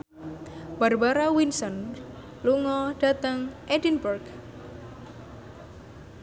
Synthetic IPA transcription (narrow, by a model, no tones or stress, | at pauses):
barbaɾawinsɔn | luŋɔɖ̥a̤t̪əŋʔedinburɡ